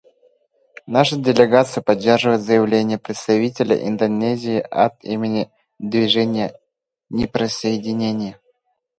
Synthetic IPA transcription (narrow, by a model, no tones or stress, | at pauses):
naʂɨdʲɪlʲɪɡat̪sɨjʊpɐdʲːerʐɨvəjɪt̪zəjɪvlʲenʲɪjəpɾʲɪt̪st̪ɐvʲitʲɪlʲə̰ʔḭnd̪ɐnʲezʲɪːʔɐ̰t̪ḭmʲɪnʲɪ | d̪vʲɪʐɛnʲɪjə | nʲɪpɾəsəjɪdʲɪnʲenʲɪjə